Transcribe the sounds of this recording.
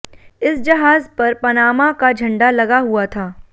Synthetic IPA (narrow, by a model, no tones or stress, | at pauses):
ɪsd͡ʒɐɦaːzpɐɾpɐnaːmãkad͡ʒʱɐ̃ɳɖalɐɡaɦuat̪ʰaː